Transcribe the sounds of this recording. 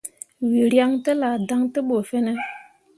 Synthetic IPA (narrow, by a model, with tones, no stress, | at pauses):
wi˨ɾja˦ŋtə˦la˨da˦ŋtə˦ɓo˨fɛ˦ne˦